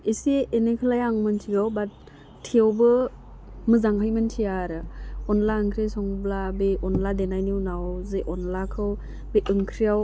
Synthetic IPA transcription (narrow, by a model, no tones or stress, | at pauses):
iseːnekʰɯlajaŋmɯntʰiɡawbat̚ʰː | iawbɯ | mɯzaŋɦʰajmɯntʰijaɾɯɔnlaɯŋkʰɾesɔŋɯblabeɔnladenajniwnawzeʔɔnlakʰɯw | bejʔɯŋkʰɾijaw